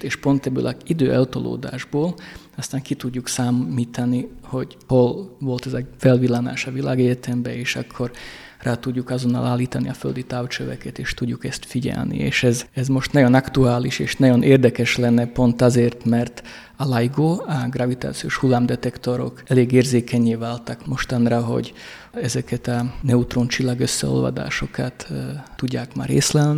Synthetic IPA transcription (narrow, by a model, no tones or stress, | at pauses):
t̪eːʃpo̞nt̪ɛbːø̰ːlɒid̪øːʔɛlt̪o̰lo̰ːd̪a̰ːʒboːl | ɒst̪aːŋkit̪uɟːuksaːmːiːt̪ʰɒniho̞ɟ | holvo̞lt̪ɛzɒfɛlvilːana̰ːʃɒvilaːɡɛɟɛt̪ɛmbɛeːʃɒkʰːo̞r | raːt̪uɟːukɒzo̞nːɒ̰laːlːiːt̪ɒniɒføld̪it̪aːwt͡ʃøvɛ̰kɛt̪eːʃt̪uɟːukɛst̪fiɟɛ̰lnḭḛːʃɛzɛzmo̞ʃt̪nɒjo̞nɒkt̪uaːliʃeːʃnɒjo̞nʔeːrd̪ɛkɛʃlɛnːɛpo̞nt̪ɒzeːrt̪mɛrt̪ | ɒlɑjɡoːɒɡrɑvit̪a̰ːt̪sio̰ːʃhulːaːmd̪ɛt̪ɛkt̪o̞ɾo̞̰kɛleːɡeːrzeːkɛɲːeːvaːlt̪ɒkmo̞ʃt̪ɒnrɒɦo̞̰ɟ | ɛzɛkɛt̪ɒnɛut̪roːnt͡ʃilːaɡøsːɛ̰o̰lvɒ̰d̪a̰ːʃo̞kɑt̪ːuɟːaːkma̰ːreːslɛlni